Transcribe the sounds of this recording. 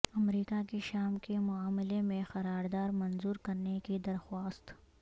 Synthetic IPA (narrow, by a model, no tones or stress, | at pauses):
ɐmɾiːkakeʃaːmkemʊaːmɪlemẽxɐɾaːɾd̪aːɾmɐnzuːɾkɐɾnekid̪ɐɾxwaːst̪